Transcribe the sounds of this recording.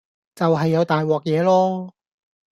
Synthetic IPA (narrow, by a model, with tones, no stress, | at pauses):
t͡sɐ˨wɦɐ˨jːɐ˨˧wt̪aː˨jwɔː˨k̚jɛː˨˧lɔː˥